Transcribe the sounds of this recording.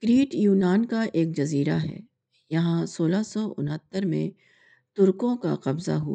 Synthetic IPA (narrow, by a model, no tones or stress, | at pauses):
kɾiːʈjuːnaːnkaʔeːk̚d͡ʒɐziːɾaɦɛ̰ː | jɐɦãsoːlasɔːʔʊ̰nɦət̪ːəɾmḛ̃ | t̪ʊɾkõka̰qɐbza̰ɦua